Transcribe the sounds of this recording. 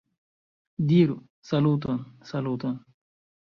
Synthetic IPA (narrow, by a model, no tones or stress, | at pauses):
d̪iːɾu | sɐluːt̪ɐnsɐluːt̪ɐn